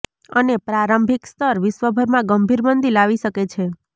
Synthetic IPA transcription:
ənepɾaɾəmbʱikst̪ʰəɾʋɪʃʋəbʱəɾmãɡəmbʱiɾmənd̪ilaʋiʃəket͡ʃʰe

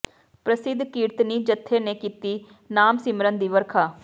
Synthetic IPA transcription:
pɾəsɪd̪ʱkiːɾt̪niːd͡ʒət̪ʰːeːneːkiːt̪iː | naːmsɪmɾənd̪iːʋəɾkʰaː

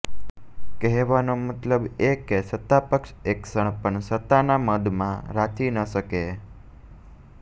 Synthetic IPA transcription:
kɛɦʋanomət̪ləbekesət̪ːapəkʃeksəɳpəɳsət̪ːanaməd̪mã̰ɾat̪ʰinəʃəke

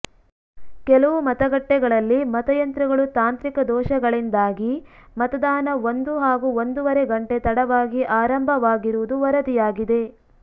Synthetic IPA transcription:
kɛlɐʋumɐt̪ɐɡɐʈːɛɡɐɭɐlːimɐt̪ɐjɐnt̪ɾɐɡɐɭut̪aːnt̪ɾikɐd̪ɔːʃɐɡɐɭind̪aːɡimɐt̪ɐd̪aːnɐond̪uɦaːɡuond̪uʋɐɾe̞ɡɐɳʈet̪ɐɽɐʋaːɡiʔaːɾɐmbʱɐʋaːɡiɾuʋud̪uʋɐɾɐd̪ijaːɡid̪e̞

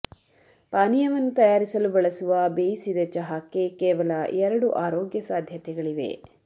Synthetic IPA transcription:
paːnijɐʋɐnːut̪ɐjaːɾisɐlubɐɭɐsuʋɐbeːjisid̪ɐt͡ʃɐɦaːkːekeːʋɐlɐɛɾɐɽuʔaːɾoːɡjɐsaːd̪ʱjɐt̪ɛɡɐɭiʋe̞̰

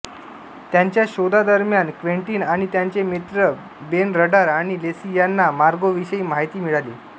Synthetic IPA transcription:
t̪jaɲt͡ɕjaɕod̪ʱad̪əɾmjankʋeɳʈiːnaɽ̃it̪jaɲt͡ɕemit̪ɾə | benɾəɖaɾaɽ̃ilesijanːamaɾɡoʋiɕəiːmaɦit̪iːmiɭaliː

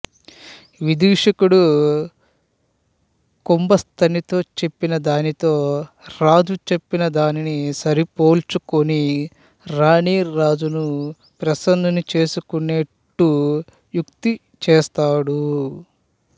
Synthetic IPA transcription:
ʋid̪iːʂɐkuɽu | kumbɐst̪ʰɐnit̪o̞ːt͡ʃe̞pːinɐd̪aːnit̪o̞ː | ɾaːd͡ʒut͡ʃe̞pːinɐd̪aːninisɐɾipo̞ːlt͡ʃukoni | ɾaːɳiːɾaːd͡ʒunu | pɾɐsɐnd̪ʱɐnit͡ʃe̞ːsukuneʈːu | jukt̪i | t͡ʃeːst̪aːɽu

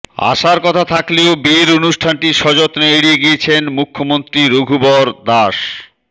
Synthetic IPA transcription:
a̰ʃaɾkɔt̪ʰat̪ʰakleobeeɾonuʃʈʰanʈiʃɔd͡ʑot̪neeɽieɡiet͡ɕʰenmukʰːomont̪ɾiɾoɡʱubɔɾd̪aʃ

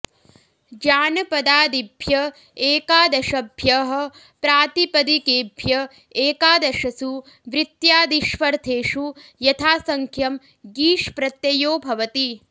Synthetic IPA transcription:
d͡ʒaːnɐpɐd̪aːd̪ibʱjɐ | eːkaːd̪ɐʃɐbʱjɐɦɐ̆ | pɾaːt̪ipɐd̪ikeːbʱjɐ | eːkaːd̪ɐʃɐsu | ʋɾɪt̪jaːd̪iʃʋɐɾt̪ʰeːʃujɐt̪ʰaːsɐŋkʰjɐm | ɡiːʃpɾɐt̪jɐjoːbʱɐʋɐt̪i

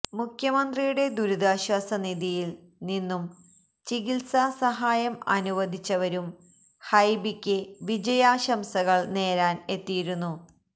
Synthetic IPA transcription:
mukʰjɐmɐnd̪rijuɽe̞d̪uɾud̪aːɕwaːsɐniðijil | ninːum | t͡ɕiɣilsasɐɦaːjɐmɐ̰nuʋɐd̪ʱit͡ɕːɐʋɐɾum | hɐjbikʲːɨʋid͡ʑɐjaːɕɐmsɐɣɐɭne̞ːɾaːne̞t̪ːijiɾunːu

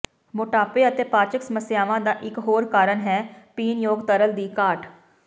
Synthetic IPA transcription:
mʊʈaːpeːət̪eːpaːt͡ʃəksəməsɪjaːʋãːd̪aːʔɪkɦoːɾkaːɾənɦɛːpiːnjoːɡt̪əɾəld̪iːkaːʈ

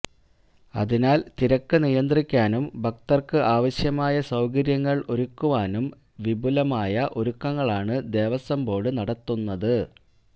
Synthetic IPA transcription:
ɐ̰ðinaːlt̪iɾɐkːɨnijɐnd̪rikʲːaːnumbʱɐk̚t̪ɐrkɨʔaːʋɐɕjɐmaːjɐsɐwkɐɾjɐŋːɐɭʔo̞ɾukːuʋaːnum | ʋibulɐmaːjɐʔo̞ɾukːɐŋːɐɭaːɳɨd̪e̞ːʋɐsɐmbo̞ːɽɨnɐɽɐt̪ːunːɐðɨ

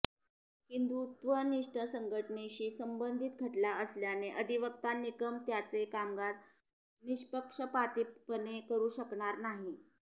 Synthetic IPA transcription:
kind̪ut̪ʋəniʂʈəsəŋɡʱəʈneɕiːsəmbənd̪ʱit̪̚ɡʱəʈlaəsljaneʔəd̪ʱiʋək̚t̪anːikəmt̪jat͡sekamɡat̪ | niɕpəkʂəpat̪ippənekəɾuːɕəkɳaɾnaɦi

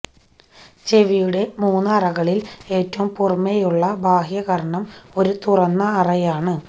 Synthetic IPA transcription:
t͡ɕe̞ʋijuɽe̞muːnːɨɐrɐɣɐɭile̞ːtːɐʋumpurmejuɭːɐbʱaːhjɐɣɐɾɐɳɐmo̞ɾut̪urɐnːɐːrɐjaːɳɨ

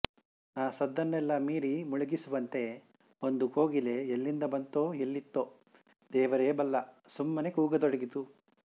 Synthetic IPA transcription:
aːsɐd̪ːɐnːɛlːɐmiːɾimuɭuɡisuʋɐnt̪e̞ | ond̪ukoːɡileːlːind̪ɐbɐnt̪oːɦelːit̪ːo | d̪ɛːʋɐɾeːbɐlːɐ | sumːɐne̞kuːɡɐd̪ɔɽɐɡit̪u

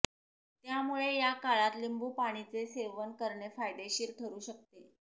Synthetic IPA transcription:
t̪jamuɭejakaɭat̪limbuːpaɽ̃it͡seseʋənkəɾɳefajd̪eɕiːɾt̪ʰəɾuːɕək̚t̪e

